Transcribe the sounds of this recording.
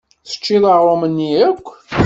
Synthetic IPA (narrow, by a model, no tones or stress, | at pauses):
θə̥t͡ʃːiðˤɑʁˤomənːiækʷː